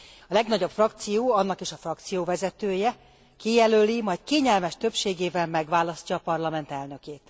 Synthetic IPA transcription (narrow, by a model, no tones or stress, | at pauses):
ɒlɛɡnɒɟo̞pfrɒk̚t̪sijoːɒnːɒkiʃɒfrɒkt̪sijoːvɛzɛt̪øːjɛ | kijɛløːlimɒjt̪keːɲɛlmɛʃt̪øpʃeːɡeːvɛlmɛɡʋaːlɒscɒːpɒrlɒmɛnt̪ɛlnø̞keːt̪